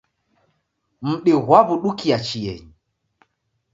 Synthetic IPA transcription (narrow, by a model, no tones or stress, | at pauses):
m̩ɗɪɣwaβuɗukiat͡ʃijɛ̰ɲi